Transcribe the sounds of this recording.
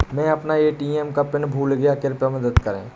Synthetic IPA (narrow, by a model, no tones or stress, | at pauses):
mɛ̃ɐpnaeːʈiɛmkapɪnbʱuːlɡjakɪɾpjamɐd̪əd̪kɐɾḛ̃ː